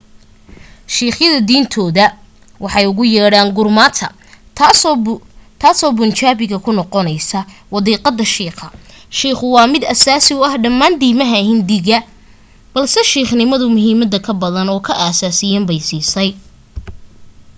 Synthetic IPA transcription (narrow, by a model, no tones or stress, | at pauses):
ʃiːχjɐðɐd̪iːnt̪ʰɔːðɐ | wʔɑħɑjʊɣʊjaːɽaːŋɡʊrmaːt̪ʰɐ̰ | t̪ʰaːsɔːbʊnt͡ʃaːβɪɣɐkʰʊnɔqɔnɛjsɐwɑðiːqɑd̪ːɐʃiːqɐʃiːχʊwɑːmɪd̪ɐsaːsɪʊɐhɖɐmːaːnd̪iːmɐɦɐhɪnd̪ɪɣɐ | b̥ɐlsɛʃiːχnɪmɐðʊmʊɦiːmɐd̪ɐkʰɐbɐðɐnɔːkʰɐʔaːsaːsɪjaːmbɛjsiːsɛj